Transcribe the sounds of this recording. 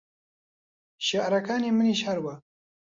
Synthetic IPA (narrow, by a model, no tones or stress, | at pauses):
ʃaʔɾakaːniməniʃhaɾwa